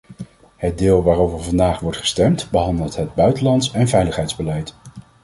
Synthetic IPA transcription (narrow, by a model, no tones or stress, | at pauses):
həd̚dɪːlˠʋaːrowvəɹvɑndaːχʋɔɹtχə̥stɛmtbəɦɑndəlˠtɦəd̚bœɥtəlɑntsɛnvɛjləχɦɛjdzbəlɛjt